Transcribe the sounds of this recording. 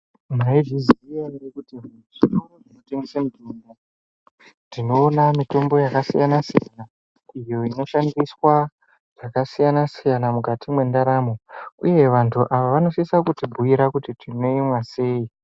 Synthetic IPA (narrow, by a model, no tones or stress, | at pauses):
maid͡ʒizijaɾekuti | ʐiɾoŋoʐino̞teŋɡesemudinda | tino̞ːnamito̞mbo̞jakasḭjanasijana | ijo̞ino̞ʃandiswa | ʐ̥akasijanasijanamukatimwe̞ndaɾamouje̞ʋantʰuʔaʋaʋano̞sisakutibʱuiɾakutitʰino̞imwase̞ːi